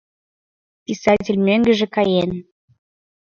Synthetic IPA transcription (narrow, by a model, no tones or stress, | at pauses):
pʲisɑtʲelʲmøŋɡə̆ʒĕkɑjen